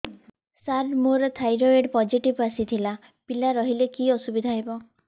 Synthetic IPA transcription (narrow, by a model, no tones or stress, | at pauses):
saɾmoɾɔt̪ʰajɾoeɖpɔd͡ʒiʈibasit̪ʰila | pilaɾɔɦilekiɔsubid̪ʱaɦebɔ